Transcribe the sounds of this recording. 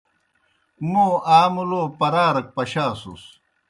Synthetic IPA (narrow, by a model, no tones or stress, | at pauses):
moːaːmuloːpɐɾaːɾɐk̚pɐɕaːsṵs